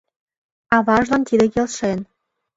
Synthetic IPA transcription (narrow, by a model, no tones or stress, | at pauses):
ɑβɑʒlɑnt̪id̪ĕkelʃen